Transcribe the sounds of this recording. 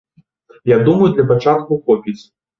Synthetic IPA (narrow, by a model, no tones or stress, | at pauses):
jaɡ̚d̪umɐjud̪lʲɐpat͡ʂat̪̚kukɔpʲit͡sʲ